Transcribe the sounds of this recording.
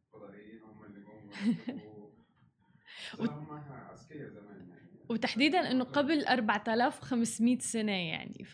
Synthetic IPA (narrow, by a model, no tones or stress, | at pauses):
w | wt̪aħd̪iːd̪anʔɪnːʊqablʔɑɾˤbaʕt̪alaːfwxamsmiːt̪sanaja̰ʕnḭ